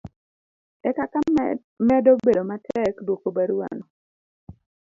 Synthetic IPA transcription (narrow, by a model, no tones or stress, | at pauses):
ɛkaka | mɛdobedomatɛkdwokobaɾuwa̰nɔ